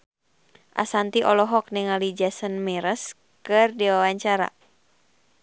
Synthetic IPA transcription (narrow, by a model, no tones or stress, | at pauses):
ʔa̰sant̪iʔɔlɔɦɔk̚nɛŋalid͡ʒasənmɛɾəs | kɨrdiwawaɲt͡ʃaɾa̰